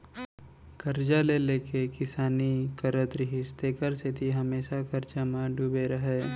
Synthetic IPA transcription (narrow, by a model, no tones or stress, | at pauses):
kɐɾd͡ʒaleleːkekɪsaːnikɐɾət̪ɾɪɦɪst̪eːkəɾsɪt̪iɦɐmeːʃakɐɾd͡ʒamãɖubeɾɐɦeː